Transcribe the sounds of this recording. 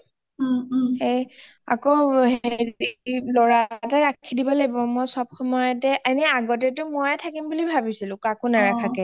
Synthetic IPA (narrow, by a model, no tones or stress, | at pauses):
hej | a̰koheɹilɔɹataɹakʰidibɔlabɔmɔjsɔb̚xɔmɔjɔtɛʔanɛaɡɔtɛtʊmojɛtʰakimbulibʱabisilʊ̃kakonaɹakʰakɛ